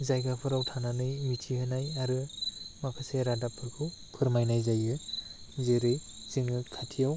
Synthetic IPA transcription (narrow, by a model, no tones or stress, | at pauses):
zajɡapʰɯɾawtʰananɯjmitʰihɯnajaɾɯmakʰɯseɾadapʰɯɾkʰɯw | pʰɯɾmajnajzajɯ | zeɾɯj | zɯŋɯkʰatʰijaw